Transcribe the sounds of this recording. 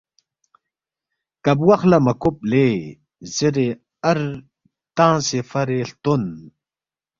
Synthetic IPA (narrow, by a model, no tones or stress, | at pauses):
kɐbwɐxlɐmɐkup̚le | ziɾe | ɐɾ | t̪ãːsefɐɾeɬt̪on